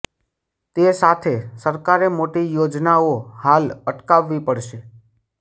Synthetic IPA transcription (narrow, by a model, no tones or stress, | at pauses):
t̪esat̪ʰesəɾkaɾemoʈijod͡ʒnaohaləʈkaʋːipəɽʃe